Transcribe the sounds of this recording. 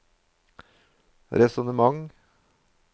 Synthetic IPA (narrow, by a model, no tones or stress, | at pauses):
ɾɛsɔnəmɑŋ